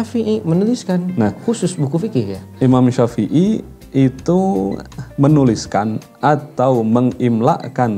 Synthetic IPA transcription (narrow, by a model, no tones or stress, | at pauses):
afiʔimənuliskannahkusʊsbukufikɪhjaimamʃafiʔi | it̪u | mənuliskan | ʔat̪awməŋimla̰ʔkan